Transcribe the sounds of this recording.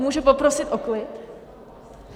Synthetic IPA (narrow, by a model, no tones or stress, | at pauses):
muːʒupopɾosɪt̪ʔoklɪt